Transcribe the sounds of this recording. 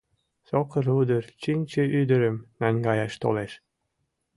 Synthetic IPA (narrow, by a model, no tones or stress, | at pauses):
sokə̆ɾud̪ərt͡ɕinʲt͡ɕə̆ʔyd̪ə̆ɾəmnænɡɑjɑʃt̪o̰leʃ